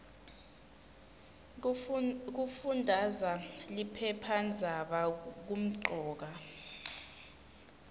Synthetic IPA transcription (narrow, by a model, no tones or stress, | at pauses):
k̬ufundʱazalipʰɛpʰand͡zʱaɓak̬um̩ǃʱɔːk̬a